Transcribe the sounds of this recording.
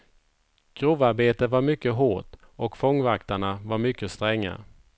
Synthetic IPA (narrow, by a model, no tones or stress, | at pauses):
kɾuːvaɾbeːt̪əvaɾmʏkːəɦoːʈ | ɔkfɔŋːvakt̪aɳavaɾmʏkːəst̪ɾɛŋːa̰